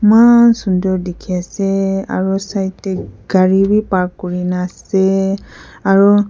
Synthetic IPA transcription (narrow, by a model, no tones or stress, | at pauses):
mansundɔɹdɛkʰiasɛa̰ɹusajtɛɡ̥aɹibipaɹkːɔɹinasɛ | aɹu